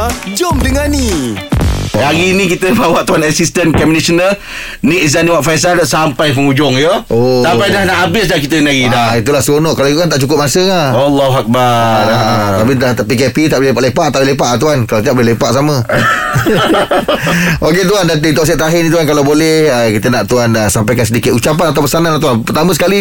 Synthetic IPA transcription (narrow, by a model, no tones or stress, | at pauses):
d͡ʒɔmdəŋani | aɡinĩk̬it̪əbawaʔt̪uanasist̪ənkɛminisənə | niʔis̬aniwaʔfajs̬alsampajpəŋud͡ʒʊŋjoʔosapajdahnaʔabɪs̬lahkit̪ənaɡidahit̪ulahsonɔʔkalait̪uant̪aʔt͡ʃukʊp̚masəaalːaɦuak̚baat̪ap̬iapikepit̪aʔblelepaʔlepaʔt̪aʔelep̬aʔat̪uankalawt̪iaʔbolɛhlepaʔsamə̃ | oket̪uandat̪ɪŋt̪ɔʔs̬ɛt̪aɦɪnĩt̪uankalawbolɛhəkit̪ənaʔt̪uanəsampajkansədikɪt̪ut͡ʃapanat̪awpəsanãnlat̪uanpərt̪amə̃sə̥kali